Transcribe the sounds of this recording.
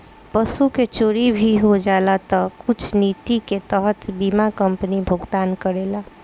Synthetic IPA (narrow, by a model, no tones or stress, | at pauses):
pəsuket͡ʃoɾibʱiɦod͡ʒalat̪əkut͡ʃʰnit̪iket̪əɦət̪bimakəmpənibʱuɡd̪ankəɾela